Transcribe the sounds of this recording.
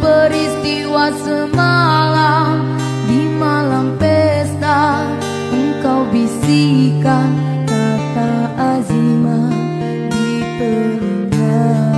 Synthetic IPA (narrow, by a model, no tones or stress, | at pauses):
pəɾist̪iwasəmalam | dimalampest̪a | əŋkawbisikan | kataʔazima | di | t̪ə | ɲa